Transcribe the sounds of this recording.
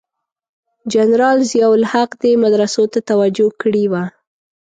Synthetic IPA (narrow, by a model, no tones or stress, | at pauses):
d͡ʒanɾɑlzjawʊlhaqd̪emad̪ɾasot̪at̪awad͡ʒokɽiwa